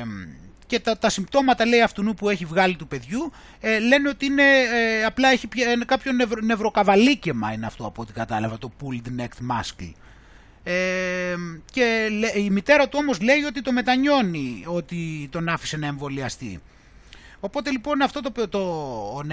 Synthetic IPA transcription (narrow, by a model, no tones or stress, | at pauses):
ce̞t̪t̪ɐsimbt̪o̞mɐt̪ɐle̞iɐft̪unupue̞çivɣɐlit̪upe̞ðʝu | le̞niot̪iine̞ɐplɐeçipçɐinekɐpço̞nevɾone̞vɾo̞kɐvɐlice̞mɐineɐft̪o̞ɐpot̪ikɐt̪ɐlɐvɐt̪o̞puld̪nekt̪mɐ̰skl | e | ce̞eimit̪e̞ɾɐt̪uo̞mo̞zle̞io̞t̪it̪o̞me̞t̪ɐɲo̞nio̞t̪it̪o̞nɐfi̥se̞nɐe̞ɱvo̞liɐst̪ḭ | o̞po̞t̪e̞lipo̞nɐft̪o̞t̪opt̪on